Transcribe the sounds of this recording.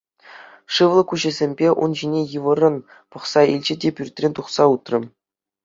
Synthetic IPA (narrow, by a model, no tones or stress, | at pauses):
ʂɯʋlˠɤ̆kuʑɘ̆zʲemʲbʲeʔṵnʑinʲejɯʋɤ̆rɤ̆n | pɤ̆χsɑilʲd͡ʑɘ̆dʲepʲyrʲt̪ʲrʲenʲt̪uχsɑut̪rɤ̆